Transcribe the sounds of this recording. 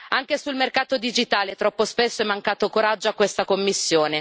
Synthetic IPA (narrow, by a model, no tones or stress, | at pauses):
aŋk̟esulmerkaːt̪od̪id͡ʒit̪aːlet̪ɾɔpːospesːoɛmːaŋkaːt̪okoɾad͡ʒːoakːwest̪akomːisːjoːne